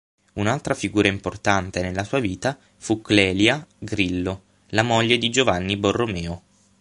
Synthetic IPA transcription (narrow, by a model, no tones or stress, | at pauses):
unalt̪ɾafiɡuːɾʔaimport̪ant̪enelːasuːaviːt̪a | fuklɛːljaɡɾilːo | lamoʎːed̪id͡ʒovanːiborːomɛːo